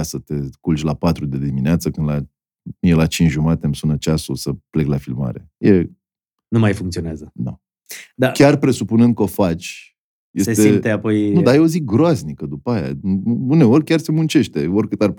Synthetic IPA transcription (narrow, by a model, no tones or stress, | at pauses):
asət̪e̞kult͡ʃʲlapat̪ɾud̪ed̪imineat̪səkɨnd̪la | jelat͡ʃint͡ʃʒumat̪emsunət͡ʃasusəple̞klafilma̰ɾe̞̰je | numajfuŋkt̪sioneazəd̪a̰ | d̪akʲarpɾe̞supunɨnd̪̚kəo̞fat͡ʃʲ | jesest̪eit̪eapo̞jnud̪ajeozik̚ɡɾoaznikəd̪upaja̰une̞o̞rʲkʲarse̞munt͡ʃe̞ʃt̪e̞o̞rʲkɨt̪ar